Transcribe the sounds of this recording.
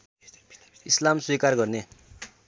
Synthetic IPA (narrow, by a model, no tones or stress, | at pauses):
islamswikarɡʌrne